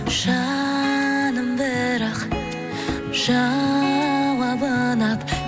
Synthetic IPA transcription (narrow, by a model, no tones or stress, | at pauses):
ʒ̥ɑ | nəmbəɾɑq | ʒ̥ɑ | wɑbənɑp